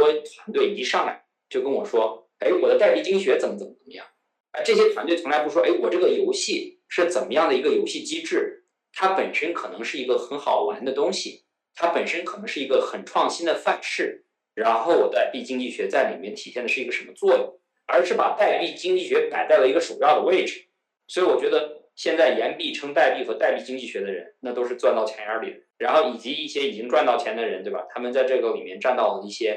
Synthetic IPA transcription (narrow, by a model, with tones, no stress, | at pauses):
ɔ˥t̪ʰwa˧˥nt̪we˥˩ɪi˧˥ʂɑ˥˩ŋla̰˧˥ɪ | t͡ɕjo˥˩ʊkə˥nwɔ˨˩ʂwɔ˥ | e˧˥ɪwɔ˨˩d̪ə˦t̪a˥˧ɪpi˥˩t͡ɕi˥ŋt͡ɕi˥˩ɕɥɛ˧˥t͡sə˨˧˩mə˦t͡sə˨˩məə˨˩mə˧˦jɑ̰˥˩ŋ | ə˞˧˥ʈ͡ʂɤ˥˩ɕ̬jɛ˥t̪ʰwa˧˥nt̪we˥˩ɪʊ˧˥ŋla˧˥ɪpu˧˥wɔ˥ʔe˧˥ɪwɔ˨˩ʈ͡ʂɤ˥˩ɡə˩jo˧˥ʊɕi˥˩ | ʂɻ̩˥˩t͡sə˨˩nmə˦jɑ˥˩ŋd̪ə˩i˧˥ɡə˧jo˧˥ʊɕi˥˩t͡ɕi˥ʈ͡ʂɻ̩˥˩ | t̪ʰa˥pə˨˩nʂə˥nkʰɤ˨˩nɤ˧˥ŋʂɻ̩˥˩i˧˥ɡə˧xə˧˥nxɑ˨˩ʊwa˧˥nd̪ə˨˧t̪ʊ˥ŋɕḭ˨ | t̪ʰa˥pə˨˩nʂə˥nkʰɤ˨˩nɤ˧˥ŋʂɻ̩˥˩i˧˥ɡə˧xə˨˩nʈ͡ʂʰwɑ˥˩ŋɕi˥nd̪ə˨fa˥˧nʂɻ̩˥˩ | ɻa˧˥nxo˥˩ʊwɔ˨˩t̪a˥˧ɪpi˥˩t͡ɕi˥ŋt͡ɕi˥˩ɕɥɛ˧˥t͡sa˥˩ɪli˨˩mjɛ˥˩nt̪ʰi˨˩ɕjɛ˥˩nd̪ə˩ʂɻ̩˥˩i˧˥ə˧ʂə˧˥nmə˧t͡swɔ˥˩jʊ̰˨˩ŋ | ə˞˧˥ʂɻ̩˥˩pa̰˨˩t̪a˥˧ɪpi˥˩t͡ɕi˥ŋt͡ɕi˥˩ɕɥɛ˧˥ka˨˩ɪt͡sa˥˩lə˩i˧˥ɡə˧ʂu˨˩jɑ˥˩ʊd̪ə˩we˥˩ɪʈ͡ʂɻ̩˨˩ | swɔ˧˥i˨˧˩wɔ˨˩t͡ɕɥɛ˧˥d̪ə˧ | ɕjɛ˥˧nt͡sa˥˩ɪjɛ˧˥npi˥˩ʈ͡ʂʰɤ˥ŋt̪a˥˧ɪpi˥˩xɤ˧˥t̪a˥˧ɪpi˥˩t͡ɕi˥ŋt͡ɕi˥˩ɕɥɛ˧˥d̪ə˧ɻə̰˧˥nna˥˩t̪o˥ʊʂɻ̩˥˧ʈ͡ʂwa˥˧nt̪ɑ˥˩t͡ɕʰjɛ˧˥nə˞˧˥li˨˩ɻa˧˥nxo˥˩ʊi˨˩t͡ɕi˧˥i˥˩ɕjɛ˥i˨˩t͡ɕi˥ŋʈ͡ʂwa˥˧nt̪ɑ˥˩ʊt͡ɕʰjɛ˧˥nd̪ə˧ɻə˧˥nt̪we˥˩ba̰˨˩t̪ʰa˥mə˨nt͡sa˥˧ɪʈ͡ʂɤ˥˩ɡə˧˩li˨˩mjɛ˥˧nʈ͡ʂa˥˧nt̪ɑ˥˩ʊlə˩i˥˩ɕjɛ˥